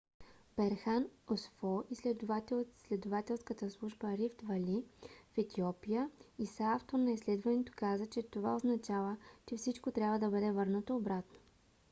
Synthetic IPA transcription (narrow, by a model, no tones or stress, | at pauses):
b̥ɛɾxanosfɔʔislɛd̪at̪slɛd̪ovat̪ɛlˠskət̪əslˠuʒbəɾift̪vɐlifɛt̪iɔpijəisaaft̪oɾnɐislɛd̪vɐnɛt̪o̥kazət͡ʃɛt̪ovaoznɐt͡ʃavət͡ʃɛfsit͡ʃkot̪ɾʲabvəd̪ɐbəd̪ɛvɤɾnət̪oːbɾat̪no̥